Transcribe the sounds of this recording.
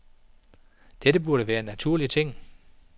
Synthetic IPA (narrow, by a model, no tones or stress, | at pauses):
d̥edəb̥uɐɾəʋæːɐnæt͡sʰuɐ̰lit͡sʰe̝ŋ̰